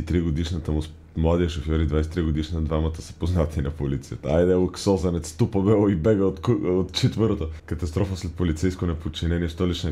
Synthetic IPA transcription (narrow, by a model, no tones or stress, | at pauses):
t̪ɾiɡod̪iʃnət̪əmʊs | mlˠad̪iəʃofjɔɾid̪vajsɛ̥t̪ɾiɡod̪iʃnəd̪vamət̪əsə̥poznat̪inɐpolit̪sijət̪əajd̪ɛlksɔzɐnɛt̪st̪upɐbɛlˠoibɛɡəot̪ot̪t͡ʃɛt̪vəɾot̪okɐt̪ɐst̪ɾɔfəslɛt̪̚polit̪sɛjskonɛpot͡ʃinɛniɛʃt̪ɔlit͡ʃnɛ